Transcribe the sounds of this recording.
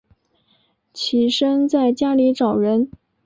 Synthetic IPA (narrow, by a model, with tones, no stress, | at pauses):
t͡ɕʰi˨˩ʂə˥ŋt͡sa˥˩ɪt͡ɕja˥li˧˥ʈ͡ʂɑ˨˩ʊɻə˧˥n